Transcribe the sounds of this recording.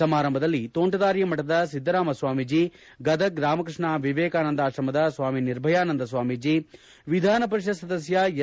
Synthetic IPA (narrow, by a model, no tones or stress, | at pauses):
ɐmaːɾɐmbʱɐd̪ɐlːit̪oːɳʈɐd̪aːɾjɐmɐʈɐd̪ɐsid̪ʱːɐɾaːmɐsʋaːmid͡ʒiː | ɡɐd̪ɐɡɾaːmɐkɾɨʂɳaʋiʋɛːkaːnɐnd̪aːʃɾɐmɐd̪ɐsʋaːminiɾbʱɐjaːnɐnd̪ɐsʋaːmid͡ʒiː | ʋid̪ʱaːnɐpɐɾiʃɐsɐd̪ɐsjɐj